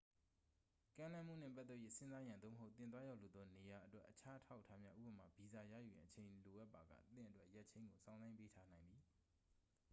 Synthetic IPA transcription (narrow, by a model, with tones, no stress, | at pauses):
kã˦lã˦m̥ṵ˦˨n̥ɛ̰̃˦˨pa˦t̪θɛ˦ʔjḛ˦˨sɪ̃˦za˦jã˨d̪o̰˦˨məɦo˦ʊt̪ɪ̃˨t̪wa˦ja˦˨ʔlu˨d̪ɔ˦ne˨ja˨ʔətwɛ˦ʔːət͡ɕʰa˦ʔətʰa˦ʊʔtʰːa˦mja˦ʔṵ˦˨bə˨ma˨bi˨za˨jä̰˦˨ju˨jã˨ʔət͡ɕʰẽ˨ɪ̃lo˨ʔa˦ʔpːa˨ɡä̰˦˨t̪ɪ̰̃˦˨ʔə˨twɛ˦ʔja˦ʔt͡ɕʰẽ˦ɪ̃ŋɡo˨sʰã˦ʊ̃nzã˦ɪ̃mpe˦tʰa˦nã˨ɪ̃nd̪i˨